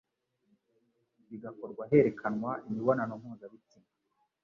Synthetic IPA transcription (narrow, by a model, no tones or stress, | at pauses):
βiɡako̞ɾɡwaɦe̞ɾe̞kʰanwaimiβo̞nano̞mhuːzaβitima